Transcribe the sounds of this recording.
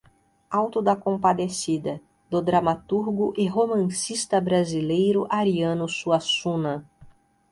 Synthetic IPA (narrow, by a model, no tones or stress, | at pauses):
awt̪ʊd̪ɐkõmpad̪esid̪ɐ | d̪ʊd̪ɾamat̪uɾɡʊʔɪɦomɐ̃sist̪ɐbɾazilejɾʊʔaɾiɐ̃nʊsuɐsũnɐ